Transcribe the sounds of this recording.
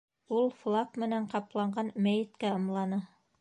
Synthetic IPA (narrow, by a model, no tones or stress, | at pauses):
ulˠflˠakmɘ̆næɴqɑplˠɑɴɢɑnmæjɘ̆t̪kæɤ̆mlˠɑnɤ